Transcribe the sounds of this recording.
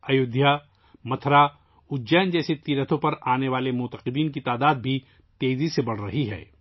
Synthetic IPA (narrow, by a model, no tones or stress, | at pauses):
ɐjʊd̪ʱja | mɐt̪ʰɾa | ʊd͡ʒɛːnd͡ʒɛːset̪iːɾət̪ʰõpɐɾaːneʋaːlemʊt̪əqɪd̪iːnkit̪aːd̪aːd̪̚bʱi | t̪eːzisebɐɽ̤ɾɐɦiɦɛ̰ː